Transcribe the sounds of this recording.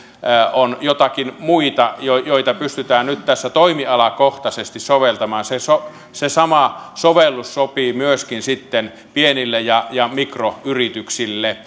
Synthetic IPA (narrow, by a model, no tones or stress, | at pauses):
onjot̪ɑkinmuit̪ɑjojoit̪ɑpyst̪yt̪æːnnyt̪t̪æsːæt̪oimiɑlɑkoht̪ɑsest̪issoʋelt̪ɑmɑːnseso | sesɑmɑsoʋelːussopiːmyøskinsit̪ːen | pienilːejɑjɑmikroyrit̪yksilːe